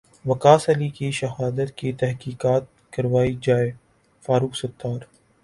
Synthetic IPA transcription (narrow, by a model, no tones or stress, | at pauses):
ʋɐkaːsɐlikiʃɐɦaːd̪ət̪̚kit̪ɛɦkiːkaːt̪̚kɐɾʋaːid͡ʒaːe | faːɾuːksɐt̪ːaːɾ